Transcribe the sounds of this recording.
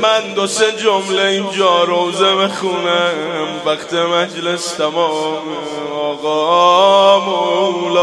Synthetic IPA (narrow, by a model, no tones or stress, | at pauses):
mænd̪osed͡ʒomleind͡ʒɒːɾowzemexuːnæmvæχqt̪ʰemæd͡ʒlest̪ʰæmɔːme | ɔːɣɔː | moulː